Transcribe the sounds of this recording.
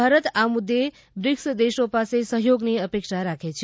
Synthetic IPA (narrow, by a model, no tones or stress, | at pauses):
aɾət̪amud̪ʱːe | bɾiksd̪esopasesəɦjoɡneəpekʃaɾakʰet͡ʃʰ